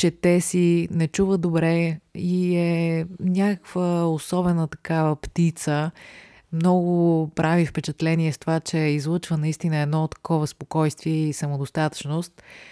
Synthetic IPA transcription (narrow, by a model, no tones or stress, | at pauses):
t͡ʃɛt̪ɛsinɛt͡ʃuvəd̪obɾɛiɛnʲakəkv̥əosɔbɛnət̪ɐ̥kavəpt̪it̪sə | mnɔɡʊpɾʔavifpɛt͡ʃɛt̪lɛniɛst̪ovat͡ʃɛizlˠɤt͡ʃvənɐist̪inəɛd̪nɔt̪ːɐ̥kɔvəspokɔjst̪viɛisəmod̪ost̪at̪ə̥t͡ʃnʊst̪̚